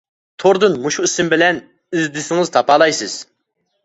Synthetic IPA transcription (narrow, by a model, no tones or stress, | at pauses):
t̪ʰoɾd̪ɨnmuʃuisɪmbɪlɛn | izd̪ɪsɪŋɨz̥t̪ʰɑpɑːlˠɑjsɨz̥